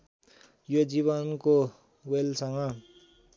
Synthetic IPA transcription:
jod͡ziβʌnko | welsʌŋʌ

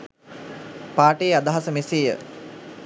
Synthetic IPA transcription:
paːʈeːad̪aɦasəmesejə̰

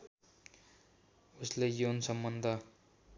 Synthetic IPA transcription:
uslejonsʌmbʌnd̪ʱʌ

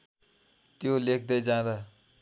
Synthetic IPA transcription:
t̪jolek̚ʰd̪ʌjd͡zãd̪a

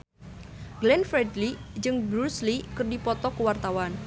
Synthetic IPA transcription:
ɡlɛnfɾɛdlid͡ʒɨŋbɾuslikɨrdipɔt̪ɔkəwart̪awan

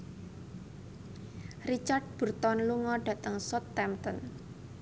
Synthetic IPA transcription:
rit͡ʃard̚b̥ṳrt̪ɔnluŋɔɖ̥ä̤t̪əŋsɔt̪ːɛmt̪ən

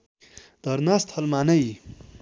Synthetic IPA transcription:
d̪̥ɐɾnaːst̪hɐlmaːnɐi

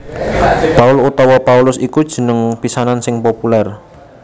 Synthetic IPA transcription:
paʊlut̪ɔwɔpaulʊsikud̥ʒ̥ə̤nəŋpisanansɪŋpopulɛr

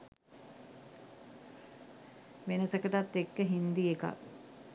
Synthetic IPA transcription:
ʋenəsəkəʈat̪ːekːəɦind̪ieka̰

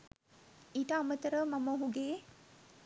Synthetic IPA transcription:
iʈaːmət̪əɾəmaməɦuɡeː

